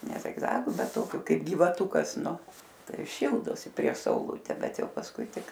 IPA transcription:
nʲɛ zʲɪɡˈzɑːɡʊ bʲɛt ˈtoːkʲʊ ˈkɐɪp ɡʲiːʋɐˈtʊkɐs ˈnʊ ˈtɐɪ ˈʃʲiːlˠdoːsʲɪ pʲrʲiɛʃ sɐʊˈlˠʊtʲɛ ˈbʲɛt ˈjɛʊ pɐsˈkʊɪ ˈtʲɪk

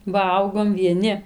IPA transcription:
ˈʋɐlˠɡoːm ʋʲiɛˈnʲɪ

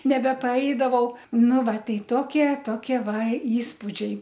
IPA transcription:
nʲɛbʲɛpɐˈɛɪdɐʋɐʊ ˈnʊ ˈʋɐ ˈtʲɛɪ ˈtoːkʲiɛ ˈtoːkʲiɛ ˈʋɐ ˈiːspʊd͡ʒʲɛɪ

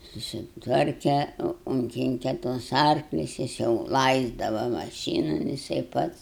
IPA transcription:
sʊsʲɪtˈʋɐrʲkʲɛ ʊŋʲˈkʲɪŋʲkʲɛ tuɔs ˈɐrklʲʊs ˈjɪs jɛʊ ˈlˠɐɪzdɐʋɐ mɐˈʃʲiːnʊ jɪˈsɐɪ ˈpɐts

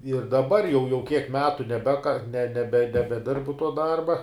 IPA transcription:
ɪr dɐˈbɐr jɛʊ jɛʊ kʲiɛk ˈmʲæːtʊ nʲɛˈbʲæːkɐ nʲɛ ˈnʲæːbʲɛ nʲɛbʲɛˈdʲɪrbʊ tuɔ ˈdɐrbɐ

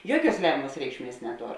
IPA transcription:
ˈjuɔˌkʲuɔs ˈlʲæːmʲɛmɐs ˈrʲɛɪkʃʲˌmʲiɛs nʲɛˈtoːr

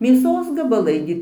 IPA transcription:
mʲeːˈsoːs ɡɐbɐˈlˠɐɪ ɡʲɪ

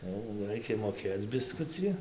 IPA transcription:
jɛʊ ˈrɐɪkʲɛ moːˈkʲeːt͡s bʲɪˈskʊt͡sʲɪ

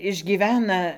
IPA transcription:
ɪʒʲɡʲiːˈʋʲæːnɐ

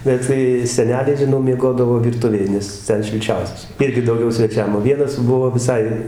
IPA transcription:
ˈbʲɛt tɐɪ sʲɛˈnʲæːlʲɛɪ ʒʲɪˈnɐʊ mʲiɛˈɡoːdɐʋoː ʋʲɪrˈtʊʋʲeːj nʲɛs ˈtʲɛn ʃʲɪlʲˈt͡ʃʲɛʊsʲɛs ˈɪrʲɡʲɪ dɐʊˈɡʲɛʊ sʲʋʲɛˈt͡ʃʲɛm oː ˈʋʲiɛnɐs ˈbʊʋoː ʋʲɪˈsɐɪ

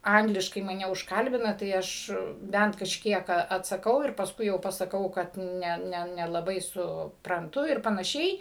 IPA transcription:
ˈɐŋɡlʲɪʃkɐɪ mɐˈnʲɛ ʊʃˈkɐlʲbʲɪnɐ tɐɪ ˈɐʃ ˈbʲɛnt kɐʃʲˈkʲiɛk ɐ ɐtsɐˈkɐʊ ɪr pɐsˈkʊɪ jɛʊ pɐsɐˈkɐʊ kɐt ˈnʲɛ nʲɛ nʲɛlˠɐˈbɐɪ sʊprɐnˈtʊ ɪr pɐnɐˈʃʲɛɪ

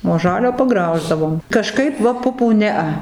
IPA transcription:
oː ˈʒɑːlʲoː pɐˈɡrɐʊʒdɐʋoːm kɐˈʃkɐɪp ˈʋɐ ˈpʊpuː ˈnʲɛɐ

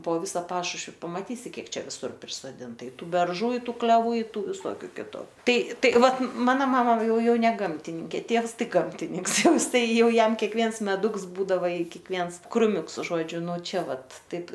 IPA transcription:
poː ˈʋʲɪsɐ ˈpɑːʃʊʃʲʋʲɪ pɐmɐˈtʲiːsʲɪ ˈkʲiɛk ˈt͡ʃʲɛ ʋʲɪˈsʊr pʲrʲɪsoːˈdʲɪntɐ ɪ ˈtuː bʲɛrˈʒuː ɪ ˈtuː klʲɛˈʋuː ɪ ˈtuː ʋʲɪˈsoːkʲʊ ˈkʲɪtʊ ˈtɐɪ ˈtɐɪ ˈʋɐt ˈmɑːnɐ ˈmɑːmɐ ˈjɛʊ ˈjɛʊ nʲɛ ˈɡɐmʲtʲɪnʲɪŋʲkʲeː ˈtʲiɛws ˈtɐɪ ˈɡɐmʲtʲɪnʲɪŋks ˈjɛʊ ˈjɪs ˈtɐɪ ˈjɛʊ ˈjɛm kʲɛkˈʋʲiɛns mʲɛˈdʊks ˈbuːdɐʋɐ ɪ kʲiɛkˈʋʲiɛns krʊˈmʲʊks ˈʒoːd͡ʒʲʊ nʊ ˈt͡ʃʲɛ ˈʋɐt ˈtɐɪp

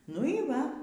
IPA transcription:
nʊ iː ˈʋɐ

